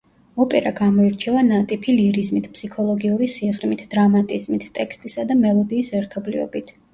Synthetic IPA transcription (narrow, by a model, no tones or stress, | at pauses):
ɔpʼɛɾaɡamɔiɾt͡ʃʰɛvanat̪ʼipʰiliɾizmit̪ʰpʰsikʰɔlˠɔɡiuɾisiʁɾmit̪ʰd̪̥ɾamat̪ʼizmit̪ʰt̪ʼɛkʰst̪ʼisad̪amɛlˠɔd̪iːsɛɾt̪ʰɔblivɛ̰bit̪ʰ